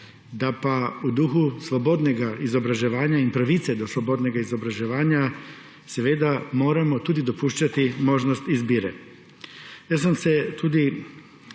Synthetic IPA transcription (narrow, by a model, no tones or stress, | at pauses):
d̪apaud̪uxuslobod̪neɡaizo̞bɾaʒeʋaːɲaimpɾaʋit̪sed̪oslobod̪neɡaizo̞bɾaʒeʋaːɲa | sʋeːd̪amo̞ːɾamot̪ud̪id̪o̞puʃt͡ʃat̪imo̞ʒnost̪izbiɾḛ | jasamset̪ud̪i